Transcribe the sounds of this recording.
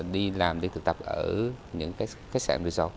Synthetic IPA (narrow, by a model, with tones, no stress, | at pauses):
ɗi˧laː˨˩mɗi˧t̪ʰɨ˨˩k̚t̪ə˨˩p̚ʔəː˧˩ɲɨ̰˧˥ŋkaː˨˦˥ | xa˦˥k̚sa̰ː˧˩mli˧˩zɔ˧